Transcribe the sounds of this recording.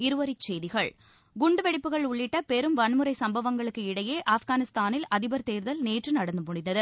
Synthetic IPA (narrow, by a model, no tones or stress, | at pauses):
ɪɾɯʋɐɾɪt͡ʃːeːjðɪɣɐɭ | ɡʊɳɖɯʋɛɽɪpːɯɣɐɭʊɭːɪʈːɐpɛɾɯmʋɐnmɯɾɐɪsɐmbɐʋɐŋɡɐɭɯkːɯɪɽɐjeːʔaːfɣaːnɪst̪aːnɪlɐðɪbɐɾt̪eːɾðɐlneːʈrɯnɐɽɐnd̪ɯmʊɳɪnːɐðɯ